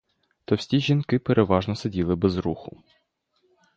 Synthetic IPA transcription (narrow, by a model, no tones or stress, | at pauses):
t̪ɔwsʲiʒʲinkɪpeɾʔeʋɑʒnɔsɐdʲilˠɪbɛzɾuxʊ